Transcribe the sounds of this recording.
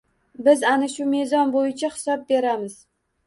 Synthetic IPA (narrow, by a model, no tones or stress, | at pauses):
bɪzanɪʃʊmezɒnbojɪt͡ʃʰahɪ̥sɒb̚be̞ɾamɪz̥